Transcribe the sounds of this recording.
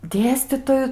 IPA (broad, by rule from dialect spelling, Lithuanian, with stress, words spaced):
ˈdʲeːsʲtʲiːtoːjʊ